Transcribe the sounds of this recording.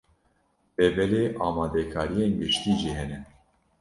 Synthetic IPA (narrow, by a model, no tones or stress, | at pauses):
b̥ɛbɛleːʔɑːmɑːd̪ɛkʰɑːɾijeːnɡɨʃt̪iːʒiɦɛnɛn